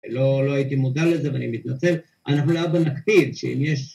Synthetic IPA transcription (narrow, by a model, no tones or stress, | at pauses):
lolo̞ait̪imodalːezeveanimit̪nat͡se̞l | ʔanaχnulojabanakt̪ivʃḛḭmjeʃ